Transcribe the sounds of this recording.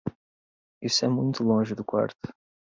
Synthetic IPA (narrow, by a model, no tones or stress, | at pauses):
isʊɛmũj̃t̪ʊlõʒɪd̪ʊkwa̰ɾt̪ʊ̥